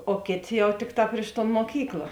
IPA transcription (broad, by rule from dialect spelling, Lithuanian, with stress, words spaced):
oː ˈkʲeːˌtʲeː ˈjɛʊ ˈtʲɪkˌtɑː pʲrʲɪʃ toːn moːˈkʲiːklˠɐ